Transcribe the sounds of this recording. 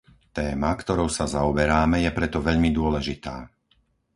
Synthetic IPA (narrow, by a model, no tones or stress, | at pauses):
t̪ɛːmakt̪ɔɾɔʊsazaɔbɛɾaːmɛjɛpɾɛt̪ɔʋɛʎmid̪ʊɔlɛʒit̪aː